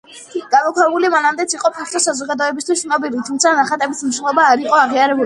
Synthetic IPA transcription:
ɡ̥amɔkʰaɾmulimanamd̪ɛt̪sʰiqʼɔpʰɛt̪ʰɔsazɔɡad̪ɔɛbist̪ʰwisnɔbilit̪ʰumt̪sʰanaχat̪ʼɛbismiʃnlˠɔbaːɾiqʼɔaʁiaɾɛbuli

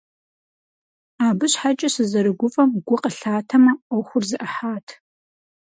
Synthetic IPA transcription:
aːbɨɕħat͡ʃʼɐsɨzɐɾɨɡʷʊfʼɐmɡʷʊqəɬaːtʰɐmɐɐwxʷʊrzɨʔɐħaːtʰ

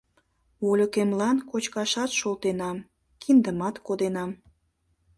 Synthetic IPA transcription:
olʲokemlɑnkot͡ɕkɑʃɑt̪ʃolt̪enɑm | kʰind̪əmɑt̪kod̪enɑm

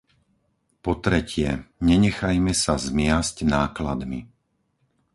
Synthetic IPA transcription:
pɔt̪ɾɛcɪɛɲɛɲɛxajmɛsazmɪascnaːklad̪mi

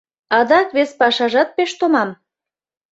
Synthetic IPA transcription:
ɑd̪ɑkβespɑʃɑʒɑt̪̚peʃt̪omɑm

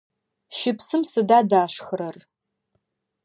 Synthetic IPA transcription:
ʃɪpsɨmsɨdaːdaːʃxɨɾɐr

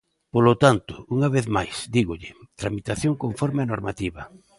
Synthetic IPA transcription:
polot̪ant̪ʊ̥uŋaβeθmajsd̪iɣʊʎɪt̪ɾamit̪aθjoŋkoɱfɔɾmɪanoɾmat̪iβɐ

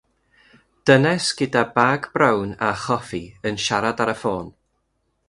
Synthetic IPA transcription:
d̥ənɛsɡ̥ədabaːɡbrawnaχɔfiənʃaɾadaɾəfoːn

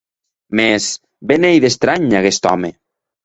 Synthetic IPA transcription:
mes | benejðest̪ɾaɲakest̪ɔme

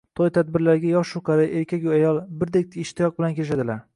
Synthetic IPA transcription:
t̪ʰɒjt̪ʰad̪̚bɪɾlaɾɡʲajɒʃʊqʰɑɾaʔeɾkʲʰakʲʊajɒlˠbɪɾd̪ek̚ʲt̪ʰɪʃt̪ɪjɒq̚bɪlankʰʲelɪʃad̪ɪlaɾ

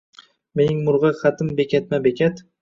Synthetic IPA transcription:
me̞nɪŋmʊɾʁɨχɑt̪ʰɪmbe̞kʲat̪̚mabekʲʰat̪

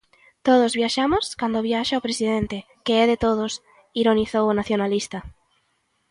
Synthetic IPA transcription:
t̪oð̞ozβjaʃamoskand̪oβjaʃaopɾesiðent̪e | keɛðet̪oð̞os | iɾoniθowonaθjonalist̪a

